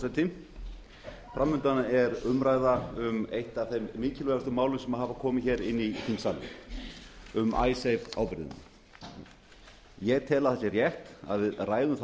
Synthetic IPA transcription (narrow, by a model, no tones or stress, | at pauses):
sat̪ʰɪm | fɾamːʏnt̪anaɛɾʏmɾaːjðaʏmejht̪aθejmːɪːcɪlvɛɾast̪ʏmaːwlʏsɛmaðɦavakʰɔːmɪçɛːɾɪnːiθinsalːɪ̰ | ʏma̰ːjsejva̰wpɪɾɪðɪ̰na̰ | jɛɣt̪ʰɛːlaðθasɪɛrjɛht̪a̰ðvɪðraːjðʏmθ